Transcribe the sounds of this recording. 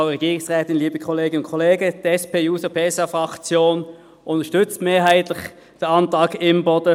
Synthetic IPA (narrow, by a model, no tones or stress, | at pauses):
ʊʁɛɡiːʁɪŋsʁɛːtɪnliːbəkʰɔleːɡənʊnkʰɔleːɡəd̥ɛspeːjuːsəpʰeːsɑfʁɑkt͡sjoːn | ʔʊntəʃtʏt͡stmeːɐɦaɪtlɪç | d̥ɛɐɑntʁɑːkɪmbɔdə